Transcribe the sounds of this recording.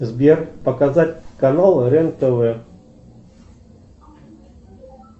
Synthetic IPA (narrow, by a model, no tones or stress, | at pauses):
zbʲerpəkɐzatʲkɐnalˠɾɛnt̪əvɛ